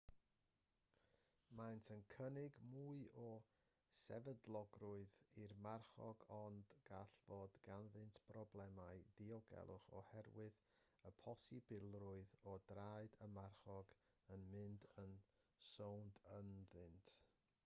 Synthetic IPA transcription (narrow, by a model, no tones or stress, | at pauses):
mantʰənkʰənɪɡmuɨʔɔ | sɛ̰vədlˠɔɡrʊɨðirmarχɔ̰ɡɔndɡ̥aɬvɔdɡ̥anðɨntʰb̥rɔblˠɛmaɨdiɔɡɛ̰lˠʔʊ̰χɔ̰hɛrwɪðəpʰɔsibɪlˠrʊɨðɔdraɨdəmarχɔɡ | ənmɪndən | sowndənðɨntʰ